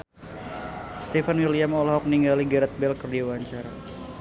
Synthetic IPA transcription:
st̪ifanwiliamɔlɦɔk̚niŋɡaliɡaɾat̪̚bɛlkərdiwaɲt͡ʃaɾa

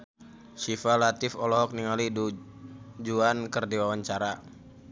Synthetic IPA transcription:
sifalat̪ɪfɔlɔɦɔk̚niŋalidu | d͡ʒuankərdiwawaɲt͡ʃaɾa

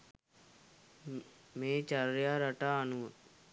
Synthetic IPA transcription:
meːt͡ʃaɾjaːɾɐʈanuː

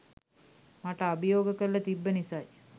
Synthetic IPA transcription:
maʈəabijoːɡəkəllɐt̪ibːənisaj

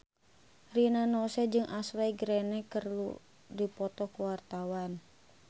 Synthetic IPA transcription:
rinanɔsɛd͡ʒɨŋʔaslaiɡɾɛnɛkərlṵ | dipɔt̪ɔkuwart̪awan

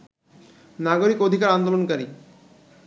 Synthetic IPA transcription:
naɡoɾikod̪ʱikaɾand̪olonkaɾi

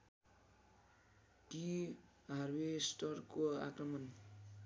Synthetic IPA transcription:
ʈi | ɦʌrwesʈʌrkoa̰krʌmʌn

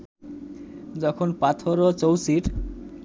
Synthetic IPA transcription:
d͡ʑɔkʰonpat̪ʰoɾot͡ɕowsiʈ

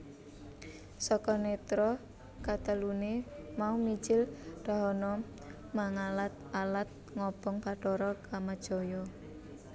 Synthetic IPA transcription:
sɔkɔnet̪ɾɔ | kat̪əlunemaumi̥d͡ʒɪlɖ̥a̤ɦɔnɔ | maŋalat̪̚alat̪̚ | ŋɔb̥ɔŋpa̤ʈɔɾɔkamad̥ʒ̥ɔ̤jɔ

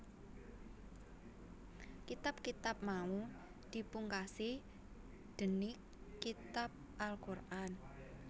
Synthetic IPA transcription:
kit̪ap̚kit̪ap̚mau | d̪̥i̤puŋkasi | d̪̥ə̤ni | kit̪ap̚ʔalkurʔan

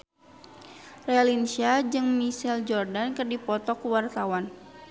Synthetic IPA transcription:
realinsiad͡ʒɨŋmisɛld͡ʒɔrdankɨrdipɔt̪ɔkuwart̪awan

